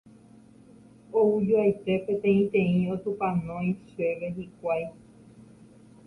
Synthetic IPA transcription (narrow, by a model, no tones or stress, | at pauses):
oud͡ʒuajt̪e̞pẽt̪ẽĩt̪ẽ̞ĩot̪upãnõj̃ʃeʋeɦikʷaj